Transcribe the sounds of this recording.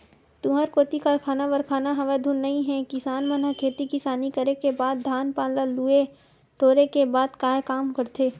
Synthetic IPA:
t̪ũɦəɾkoːt̪ikaɾkʰaːnaʋɐɾkʰaːnaɦɐʋed̪ʱunːɐɦĩɦɛ̃kɪsaːnmɐnəkʰeːt̪ikɪsaːnikəɾekebaːd̪ːʱaːnpaːlalue | ʈoːɾekebaːd̪kaːekaːmkɐɾt̪ʰeː

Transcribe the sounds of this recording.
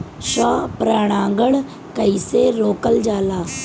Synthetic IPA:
ʃɔːpɾaːɽ̃ãːŋɡəɳ | kəiːseːɾoːkəld͡ʒaːlaː

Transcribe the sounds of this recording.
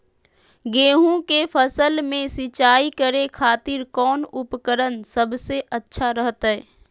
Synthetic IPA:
ɡeːɦũkepʰəsəlmẽsɪt͡ʃaːikəɾekʰaːt̪ɪɾkɔːnʊpkəɾənsəbseʔətːʃʰaɾəɦət̪ɦɛː

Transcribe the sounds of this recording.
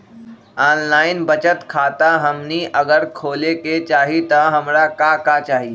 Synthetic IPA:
aːnlaːɪnbət͡ʃət̪kʰaːt̪aɦɐmniʔɐɡəɾkʰoːleket͡ʃaːɦit̪ɐɦɐmɾakakat͡ʃaːɦi

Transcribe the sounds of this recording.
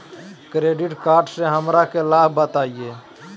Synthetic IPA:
kɾeɖiʈkaɾɖsẽɦəmɾakelabbət̪aije

